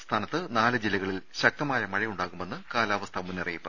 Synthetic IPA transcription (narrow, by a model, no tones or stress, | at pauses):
st̪ʰaːnɐt̪ːɨnaːlɨd͡ʑilːɐɣɐɭilɕɐk̚t̪ɐmaːjɐmɐɻɐjuɳɖaːɣume̞nːɨkaːlaːʋɐst̪ʰamunːɐrɐjipːɨ